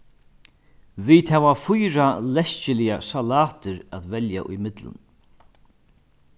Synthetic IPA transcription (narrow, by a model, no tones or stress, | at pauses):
viːt̪hɛvafʊjɾalɛscɪlɪjasalaːt̪ɪɾæt̪vɛlja̰ʔʊ̰jmɪt̪lʊ̰n